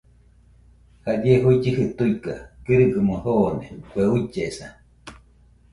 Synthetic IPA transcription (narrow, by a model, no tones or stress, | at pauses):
had͡ʒeɦuit͡ʃihɨt̪uika̰kɨɾɨɡɨmohonekʷeut͡ʃesa